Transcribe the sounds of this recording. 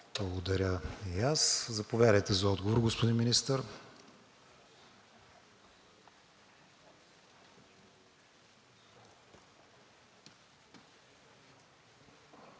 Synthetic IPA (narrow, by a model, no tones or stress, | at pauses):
blˠɐɡod̪ɐɾʲəijaszɐpovʲjad̪əjt̪ɛzɐɔd̪ɡovoɾɡospod̪inminist̪əɾ